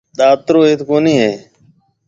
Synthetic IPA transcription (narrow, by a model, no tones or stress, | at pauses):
ɗ̪aːt̪ɾoːeːt̪koːniːɦeː